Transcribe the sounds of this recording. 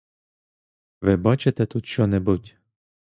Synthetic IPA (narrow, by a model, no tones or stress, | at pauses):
ʋɪbɑt͡ʃet̪ɛt̪ut̪ʃɔnɛbutʲ